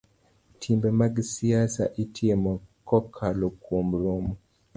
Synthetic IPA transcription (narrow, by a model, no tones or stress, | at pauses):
tʰimbɛmaɡsiasa̰ʔitʰiemɔkɔkʰalɔkʰwomlomɔ